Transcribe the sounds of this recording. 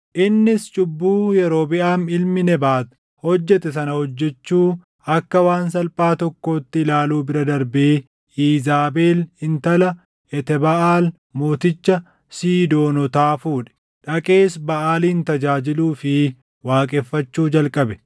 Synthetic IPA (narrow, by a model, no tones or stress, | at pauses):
ʔɪnːɪst͡ʃʼʊbːuːjɛɾo̞ːbɪʔaːmɪlmɪnɛbaːt̪ | hɔd͡ʒːɛt̪ɛs̬ɐnɐhɔd͡ʒːɛt͡ʃːuː | ɐkːɐwaːns̬ɐlpʼaːt̪ɔkːo̞ːt̪ːɪɪlaːluːbɪɾɐd̪ɐɾbeː | iːzaːbeːlhɪnt̪ɐlɐ | ʔɛt̪ɛbɐʔaːl | moːt̪ɪt͡ʃːɐ | siːd̪o̞ːnɔt̪aːfuːᶑɛ̥ | ᶑɐkʼe̞ːsbɐʔaːliːnt̪ɐd͡ʒaːd͡ʒɪluːfɪ | waːkʼɛːfːɐt͡ʃːuːd͡ʒɐlkʼɐbɛ̥